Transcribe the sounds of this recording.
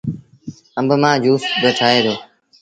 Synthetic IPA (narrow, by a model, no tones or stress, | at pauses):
əmbmãːd͡ʒuːsbəʈʰaːeːd̪oː